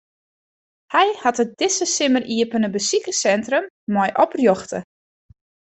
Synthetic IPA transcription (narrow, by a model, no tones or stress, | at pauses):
hɛjhatət̚d̥ɪsəsɪmərʔiəpənəbəsikəsɛntrəmːɔjʔɔprjɔxtə